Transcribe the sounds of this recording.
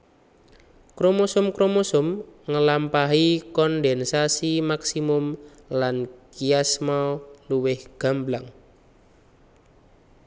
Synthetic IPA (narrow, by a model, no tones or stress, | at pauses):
kɾomosʊmkɾomosʊmŋəlampaɦikɔndɛnsasimaksimʊm | lankiasmɔluwɪhɡ̥a̤mblaŋ